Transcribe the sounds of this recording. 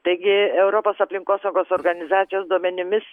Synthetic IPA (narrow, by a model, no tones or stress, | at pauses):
t̪ɐɪɡʲɪɛʊɾopoːsɐpʲlʲɪŋkoːsɐʊɡoːsoːɾɡɐnʲɪzɑːt̪sʲɪjoːsd̪uɔmʲɛnʲɪmʲɪs